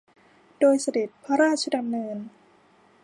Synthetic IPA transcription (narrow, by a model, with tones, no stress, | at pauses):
doː˧jsa˧de˨˩t̪̚pʰa˦˥ɾaː˥˩t̪̚t͡ɕʰa˧da˧mnɤː˧n